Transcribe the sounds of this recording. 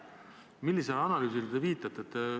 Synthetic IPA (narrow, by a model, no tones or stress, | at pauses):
milːiselɑnɑlyːsild̪eviːt̪ːˑɑt̪ːˑet̪ː